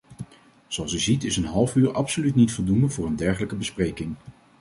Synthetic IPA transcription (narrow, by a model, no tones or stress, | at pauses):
z̥oɑlˠsyzitɪsənɦɑlˠfyːɹʔɑpsolytnitfolˠdundəvʊːɹəndɛɹχələkəbəsprejkɪŋ